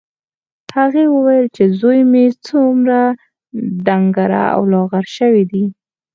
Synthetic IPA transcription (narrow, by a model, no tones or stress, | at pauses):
haɣewəwajəlt͡ʃezojmet͡sumɾa | d̪aŋɡaɾa̰a̰wlɑɣaɾʃəwid̪i